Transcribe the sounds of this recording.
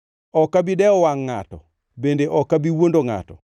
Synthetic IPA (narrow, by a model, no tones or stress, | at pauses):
ɔkːabidɛɔwaŋːa̰tɔ̰ | bendeʔɔkːabiwondoŋa̰tɔ̰